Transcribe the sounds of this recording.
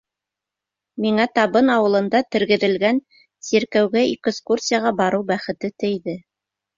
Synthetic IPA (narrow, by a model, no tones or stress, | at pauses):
miŋæt̪ɑβɤnɑwɤ̆lˠɤ̆nd̪ɑt̪ɘ̆ɾɡɘ̆ðɘ̆lɡæn | siɾkæwɡæikskursʲijaʁɑbɑɾɤwbæχɘ̆t̪ɘt̪ɘ̆jðɘ